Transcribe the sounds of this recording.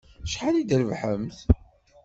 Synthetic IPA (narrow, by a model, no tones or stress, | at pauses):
ʃħalid̪əɾvħəmθ